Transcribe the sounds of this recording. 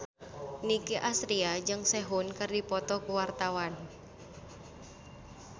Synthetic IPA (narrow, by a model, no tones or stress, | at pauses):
nikiʔasɾiad͡ʒɨŋsɛɦunkərdipɔt̪ɔkuwart̪awan